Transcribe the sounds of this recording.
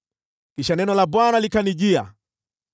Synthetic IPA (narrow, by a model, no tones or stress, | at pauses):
kiʃanɛnɔlabwanalikaniʄia